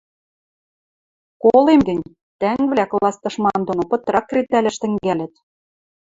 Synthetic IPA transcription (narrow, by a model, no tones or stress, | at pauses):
kolemɡɘ̆nʲ | t̪æŋɡβlʲæklˠɑst̪ɤ̆ʃmɑnd̪onopɤ̆t̪ɾɑkːret̪ælʲæ̆ʃt̪ɘ̆ŋɡælʲɘ̆t̪̚